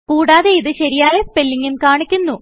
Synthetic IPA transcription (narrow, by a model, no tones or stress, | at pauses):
kuːɽaːðeiðɨɕɐɾijaːjɐspelːiŋːinkaːɳikʲːunːu